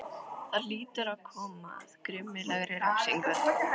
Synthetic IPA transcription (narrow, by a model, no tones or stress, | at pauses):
θaðliːt̪ʏɾaðkʰɔːma̰ðkɾʏːmɪlɛɣɾɪɾamsiŋkʏɾ̥